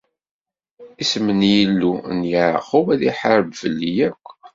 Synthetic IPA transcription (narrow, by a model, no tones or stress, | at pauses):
ismənjəlːunjəʕə̰χʊwæðiħəɾəbvəlːijækʷː